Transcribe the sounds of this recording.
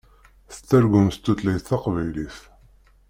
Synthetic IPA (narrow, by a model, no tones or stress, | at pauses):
θt͡s̪ːæɾɡʷʊmst̪ːuθlæjθθɑqvæjliθ